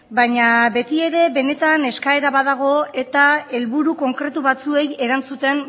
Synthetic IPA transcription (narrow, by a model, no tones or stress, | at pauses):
bajɲabe̞t̪ie̞ɾe̞βe̞ne̞t̪ane̞skae̞ɾaβaðaɣ̞o̞e̞t̪ae̞lβuɾuko̞ŋkɾe̞t̪uβat͡sue̞je̞ɾant͡sut̪e̞n